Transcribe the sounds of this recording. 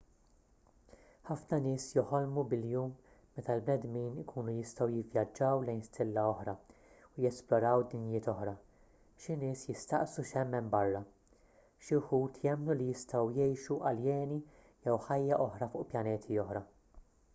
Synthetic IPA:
ħɐfnɐnɪːsjɔħɔlmubɪljuːmː | ɛt̪ɐlbnɛd̪miːnɪkʰuːnujɪst̪ɐwjɪvjɐd͡ʒːɐwlɛjnst̪ʰɪlːɐɔħɾɐ | ʊjɛsplɔɾɐwd̪ɪnjɪːt̪ɔħɾɐ | ʃɪnɪːsjɪst̪ɐʔsuʃɛmːɛmbɐrːɐ | ʃɪħuːt̪ʰjɛmːnulijɪst̪ɐwjɛjʃuʔɐljɛːni | jɛwħɐjːɐʔɔħɾɐfʊʔpjɐnɛːt̪ʰiɔħɾɐ

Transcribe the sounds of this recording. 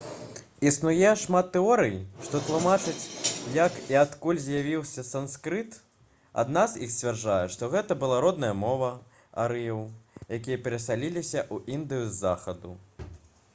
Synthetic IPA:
isnujɛʂmat̪ːɛɔɾɨjʂt̪ɔt̪lˠumat͡ʂɨt͡sʲjɐkiat̪kulʲzʲjavʲiwsʲɐsanskɾɨt̪ | a̰d̪nazixsʲt͡sʲvʲarʐajɛʂt̪ɔɣɛt̪ɐbɨlˠaɾɔd̪̚nɐjɐmɔvɐ | a̰ɾɨjɛwjakʲijɐpʲɛɾɐsalʲilʲisʲɐʔuʔind̪ɨjuzzːaxɐd̪u

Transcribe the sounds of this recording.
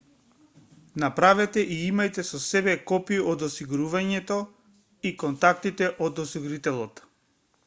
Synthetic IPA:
napɾavɛt̪ɛʔiimajt̪ɛsɔsɛbɛkɔpiod̪ɔsiɡuɾuvaɲɛt̪ɔ | ikɔnt̪ak̚t̪it̪ɛʔod̪ɔsiɡuɾit̪ɛlˠɔt̪

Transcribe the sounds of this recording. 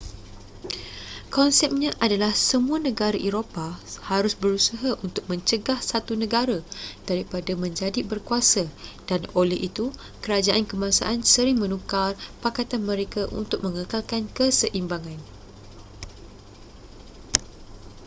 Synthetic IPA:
kɔnsɛp̚ɲãʔadalahsəmũanə̃ɡaɾaʔeɾopahaɾʊsbəɾusaɦaʔunt̪ʊk̚mə̃ɲt͡ʃəɡahsat̪unə̃ɡaɾad̥aɾipadamə̃ɲd͡ʒadibərkuasad̥anolɛɦʔit̪u | kəɾad͡ʒaʔankəmasa̰ʔansəɾɪŋmə̃nũkarpakat̪anmə̃ɾekaʔṵnt̪ʊk̚mə̃ŋəkalkankəsəʔimbaŋãn

